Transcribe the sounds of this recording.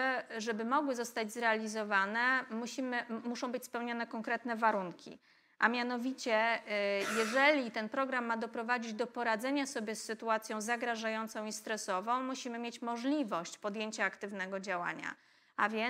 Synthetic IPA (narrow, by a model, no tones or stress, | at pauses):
ʐɛbɘmɔɡwɘzɔst̪ad͡ʑzɾɛalʲizɔvanɛmuɕimɘmuʂɔ̃w̃bɘt͡ɕspɛwɲɔnɛkɔŋkɾɛt̪nɛvaɾuŋkʲḭ | ʔamʲjanɔvʲit͡ɕɛ | jɛʐɛlʲit̪ɛnpɾɔɡɾamːad̪ɔpɾɔvad͡ʑid͡ʑd̪ɔpɔɾad̪zɛɲasɔbʲjɛsːɘt̪uat̪sʲjɔ̃w̃zaɡɾaʐajɔnt̪sɔ̃w̃ist̪ɾɛsɔvɔ̃w̃muɕimɘmʲjet͡ɕmɔʐlʲivɔɕt͡ɕpɔd̪jeɲt͡ɕaːkt̪ɘvnɛɡɔd͡ʑawa̰ɲa̰ | ʔa̰vʲjɛ